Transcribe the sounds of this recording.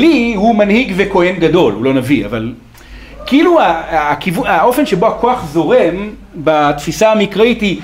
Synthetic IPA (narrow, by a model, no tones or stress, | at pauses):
lihumanhiɡveko̞he̞nɡado̞lulo̞navia̰val | kiiluakivuao̞fe̞nʃe̞bo̞ako̞aχzo̞ʁe̞m | batfisaamikʁaithi